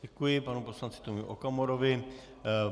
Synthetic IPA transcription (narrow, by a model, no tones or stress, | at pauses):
ɛkujɪpanupo̞slant͡sɪ̥t̪omiʔokamoɾovɪ